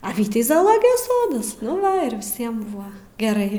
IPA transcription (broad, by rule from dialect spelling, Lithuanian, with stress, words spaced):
ɐ ˈʋʲiːtʲɛɪ zɐɐˈlˠoːɡʲɪjoːs ˈsoːdɐs nʊ ˈʋɐ ɪr ʋʲɪˈsʲiɛm ˈbʊʋɐ ɡʲɛˈrɐɪ